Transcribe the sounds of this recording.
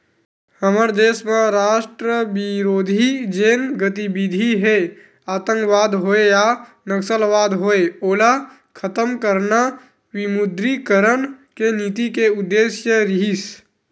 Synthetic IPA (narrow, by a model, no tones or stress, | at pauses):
həməɾd̪eːsmẽɾaːʃʈɾəʋiɾoːd̪ʱid͡ʒeːnɡət̪ibid̪ʱiɦe | aːt̪ə̃ŋkʋaːd̪ɦoeja | nəksəlʋaːd̪ɦoeoːla | kʰət̪əmkəɾna | ʋɪmʊd̪ɾikəɾənkenit̪ikeʊd̪ːeːsjəɾɪɦis